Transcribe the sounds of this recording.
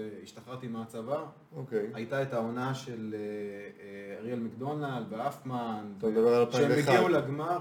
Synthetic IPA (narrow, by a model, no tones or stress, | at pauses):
eiʃt̪aχaʁt̪imaat͡sava | okejajtaetao̞naʃele | ʁielmakdonald̪veafmanod̪abeʁaalpaʃeemiiuleɡma